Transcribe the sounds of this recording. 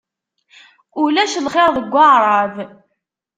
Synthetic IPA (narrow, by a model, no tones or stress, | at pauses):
ʊlæʃlχɪɾˤðəɡʷːɑʁɾˤɑv